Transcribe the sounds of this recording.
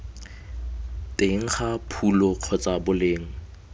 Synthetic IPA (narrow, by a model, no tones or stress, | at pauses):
tʼeŋ̩χapʰulɔq͡χʰɔt͡sʼabʊleːŋ̩